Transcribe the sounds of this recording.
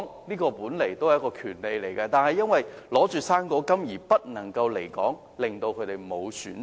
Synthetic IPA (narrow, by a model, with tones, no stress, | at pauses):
ŋniː˥kɔː˧puː˨˥nle˨˩jt̪o˥whjɐ˥kɔː˧kʰyː˨˩nle˨˧jle˨˩jkɐː˧t̪aː˨nɦɐ˨jɐ˥nwɐ˨jlɔː˨˥t͡ʃyː˨saː˥nkɔː˧˥kɐ˥mjiː˨˩pɐ˥t̚nɐ˨˩ŋkɐ˧wle˨˩jkɔ̰ː˨˥ŋ | lɪ˨ŋt̪o˧wkʰɵ˨˧t̪e˨jmo˨˧wsy̰ː˨˥n